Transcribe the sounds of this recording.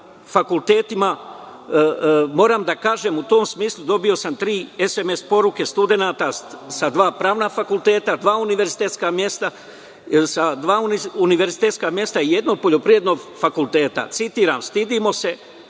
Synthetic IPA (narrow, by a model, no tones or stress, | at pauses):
fakulˠt̪e̞ːt̪ima | mo̞ːɾaːmd̪akaːʒe̞mut̪o̞ːmsmiːslˠud̪o̞bijo̞samt̪ɾiːe̞seme̞spo̞ɾuke̞st̪ud̪e̞naːt̪asad̪ʋaːpɾaːʋnafakulˠt̪e̞ːt̪ad̪ʋaːuniʋe̞ɾzit̪et̪skamje̞st̪a | sad̪ʋaːuniuniʋe̞ɾzit̪eːt̪skamje̞st̪aije̞d̪no̞ɡ̚po̞ʎo̞pɾije̞d̪no̞ɡfakulˠt̪e̞ːt̪a̰t̪sit̪iːɾaːmst̪id̪imo̞se̞